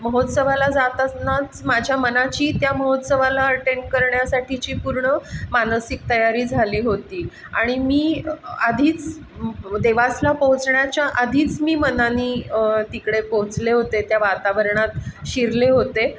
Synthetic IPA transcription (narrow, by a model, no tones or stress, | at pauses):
məɦot̪səʋʱalad͡zat̪asnat͡smad͡ʑʱjamənat͡ɕiːt̪jaməɦot̪səʋalaəʈeɳɖkəɾɳjasaʈʰit͡ɕiːpuɾɳəmanəsik̚t̪əjaɾiːd͡zʱaliːɦot̪iː | aɽ̃imiːad̪ʱiːt͡s | d̪eʋaslapoɦt͡sɳjat͡ɕjaʔəd̪ʱiːt͡smiːmənaniːt̪ikɽepõɦt͡sleɦot̪et̪jaʋat̪aʋəɾɳat̪ɕiɾleɦot̪e